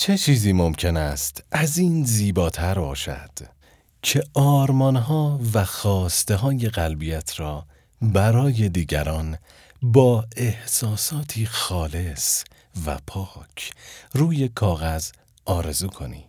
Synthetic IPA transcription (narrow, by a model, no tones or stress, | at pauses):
t͡ʃʰe̞t͡ʃʰiːziːmo̞mcʰe̞næst̪ʰæziːnziːbɒːt̪ʰæɾbɒ̰ːʃæ̰d̪̥ | cʰe̞ʔɒːɾmɒːnɦɒːvæxɒːst̪e̞ɦɒːje̞ɣælbijæt̪ʰɾɒː | bæɾɒːje̞d̪iːɟæ̰ɾɒːn | bɒːe̞hsɒːsɒːt̪ʰiːxɒːle̞s | væ̰pʰɒːcʰruːje̞kʰɒːɣæz | ɒːɾe̞zuːkʰo̞̰nḭː